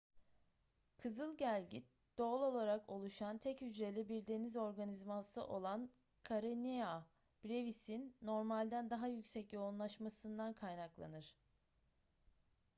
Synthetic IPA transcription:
kʰɯzɯlˠɟælʲɟi | d̪̥o̞lˠo̞lˠaɾakʰo̞lˠuʃant̪ʰɛchyd͡ʒɾe̞lʲibiɾd̪e̞nizo̞ɾɡanizmasɯ̰ʔo̞lˠan | kʰaɾɯnea | b̥ɾevisinːo̞ɾmalʲd̪ænd̪aɦajycsɛcjo̞unlˠaʃmasɯnd̪ankʰajnaklˠa̰nɯɾ̥

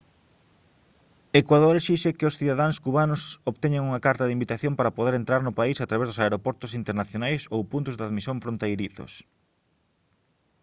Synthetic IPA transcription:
ekwaðoɾesiʃekɪosθiðaðaŋskuβanʊsoβt̪ɛɲeŋuŋɐkaɾt̪ɐðɪimbit̪aθjompaɾɐpoðeɾent̪ɾaɾnʊpaisat̪ɾaβezðʊsaeɾopɔɾt̪ʊsint̪eɾnaθjonajsowpunt̪ʊzðaðmisjoɱfɾont̪ejɾiθo̰s

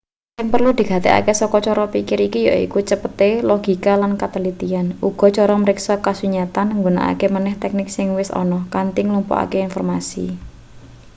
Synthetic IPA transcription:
kanpərlud̪̥i̤ɡa̤t̪ea̰kesɔkɔt͡ʃɔɾɔpikɪɾikijɔḭkut͡ʃəpət̪elɔɡ̥i̤kalankat̪əlit̪ianuɡ̥ɔ̤t͡ʃɔɾɔməɾɪksakasuɲat̪anŋɡona̰ʔa̰kemanɛht̪ɛk̚nɪksɪŋwɪsɔ̰nɔhkant̪iŋlumpɔ̰ʔa̰keinfɔrmasḭ

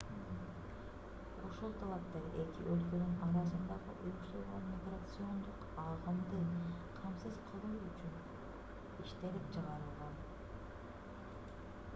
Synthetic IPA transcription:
o̞ʃolˠt̪ʰalˠap̚t̪ɑɾe̞kḭʔø̞lkø̞nynɑɾɑzɯnd̪ɑʁɯʔujuʃt̪uɾʁonmʲiɡrat̪sɨo̞nd̪uq | ɑʁɯmd̪ɯqʰɑmsɨz̥qʰɯlˠumyt͡ʃyn | iʃt̪e̞lipt͡ʃʰɨʁɑɾɯlˠʁɑn

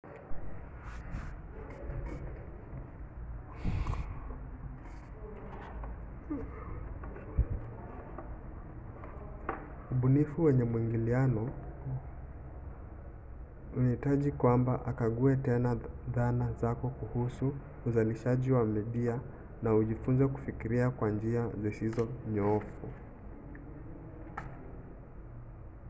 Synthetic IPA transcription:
uɓunifuwɛɲɛmwiŋɡilianɔ | unahitaʄikwambaʔakaɠuɛtɛnaðanazakɔkuhusuː | zaliʃaʄiwamiɗia | nauʄifunzɛku̥fikiɾiakwand͡ʒiazisizɔɲɔɔfu

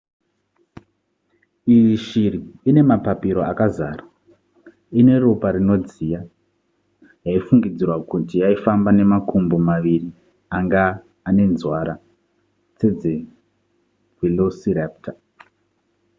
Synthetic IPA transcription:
iiʃiriːne̞mapapiɾo̞akazaːra | ine̞ruparino̞d͡zija | jaifuŋɡid͡zirwakutijaifambane̞makumbomaʋiri | aŋɡaː | ne̞nzwaɾa | t͡se̞d͡ze | vilosiraptʰa

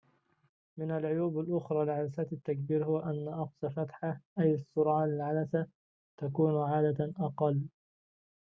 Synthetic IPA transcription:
mɪnalʕʊjuːbalʔʊxɾˤɑːlɪʕalasaːt̪at̪ːak̚biːɾhʊwaʔanːaʔɑqsɑfat̪ħaʔajɪsˤːʊɾˤʕɑːnɪlʕalasa | t̪akuːnʕaːd̪aʔɑqɑlː

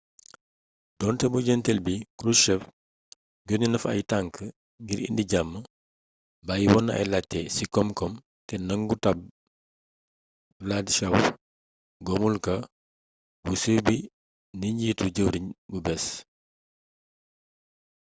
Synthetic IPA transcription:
dɔːntɛbuɟɛntɛlbikɾuʃɛf | ɡɔɲunɐfɐ̰jtaŋkə | ŋɡiɾḭndiɟamːə | bajiwɔnːɐ̰jlatːɛsikɔmkɔm | tɛnɐŋɡutɐb̚ | ladiʃaw | ɡɔmulkɐ | busəːbi | niɲɟiːtuɟəwɾiɲbubɛs

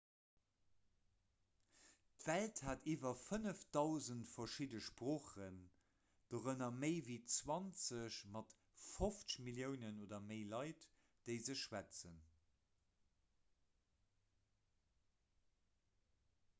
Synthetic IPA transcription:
tv̥ælthaːtiːvɐfənəfd̥ɑʊzəntfɐʃidəʃpʁoːχən | d̥oʁənɐməɪviːt͡swɑnt͡səɕmɑt | foft͡səɕmiljəʊnənoːdɐmeɪlɑɪt | d̥eɪzəɕʃwæt͡sən

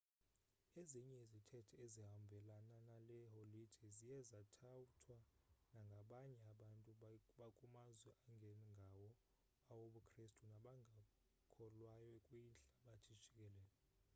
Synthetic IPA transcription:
eziɲɛizitʰɛtʰɛeziɦambʱɛlananalɛholid̥ʱizijɛzatʰawutʰwanaŋɡʱaɓaɲɛaɓantʼuɓakʼumazwɛʔaŋɡʱɛŋɡʱawɔ | awoɓukʰristʼunaɓaŋʱa | kʰɔlwajɛkʼwinɬaɓatʰi̥t͡ʃʰʼikʼɛlɛːlɛ

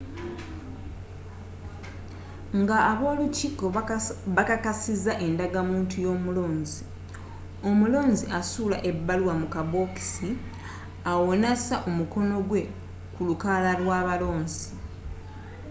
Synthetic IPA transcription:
ŋɡaːβo̞ːluciːkoβakakasizaʔe̞ndaɡamuːntʰujo̞ːmulo̞ːnzi | o̞mulo̞ːnziasuːlaʔe̞bːaluwamukabo̞ki̥si | awonasaʔomuko̞no̞ɡwe̞ | kulukalalwaːβalo̞ːnzi

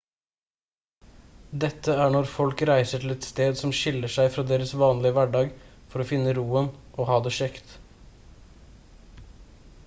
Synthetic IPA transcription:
d̪ɛt̪ːəæːɳɔɾfɔlkɾæɪsəʈʰɪl̩ɛt̪st̪eːd̪sɔmʃɪləʂæɪfɾɑːd̪eːɾəsʋɑːnlɪəʋæɖɑːɡfɔɾoːfɪnːəɾuːənʔoːhɑːd̪eːʃɛkt̪

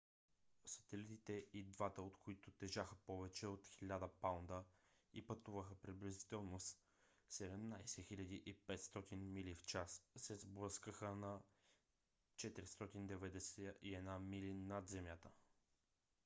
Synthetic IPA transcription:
sə̥t̪ɛlit̪it̪ɛʔid̪vat̪əot̪koit̪ʊt̪ɛʒaxəpɔvɛt͡ʃɛot̪xilʲad̪əpawnd̪ə | ipɐt̪uvəxəpɾiblʲizi̥t̪ɛlˠnos | sɛd̪ɛmnajsɛxilʲɐd̪iʔipɛt̪st̪ɔt̪inmilift͡ʃassɛzblˠɤskəxənɐ | t͡ʃɛt̪iɾist̪ɔt̪ind̪ɛvɛd̪ɛsɛʔiɛd̪namilinɐd̪zɛmjat̪ə

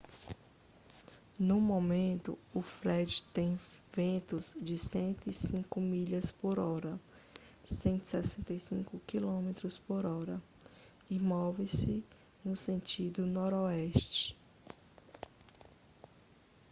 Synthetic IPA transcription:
numomẽnt̪ʊ̰ʊfɾɛd͡ʒɪt̪ẽj̃vẽnt̪ʊzd͡ʒɪsẽnt̪ʊisĩkʊmiʎɐspoɾɔɾɐ | sẽnt̪i̥sɛsẽnt̪ɐjsĩkʊkilõmet̪ɾʊspoɾɔɾɐ | ɪmɔvɪsɪ | nʊsẽnt͡ʃid̪ʊnɔɾoɛst͡ʃɪ̥

